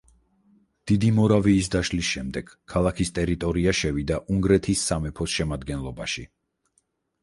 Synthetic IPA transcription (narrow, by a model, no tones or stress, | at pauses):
d̪̥id̪imɔɾaviːs̬d̪aʃlisʃɛmd̪ɛɡ̥kʰːalˠakʰist̪ʼɛɾit̪ʼɔɾiaʃɛvid̪aʔuŋɡɾɛt̪ʰisːamɛpʰɔsʃɛmad̪ɡɛnlˠɔbaʃi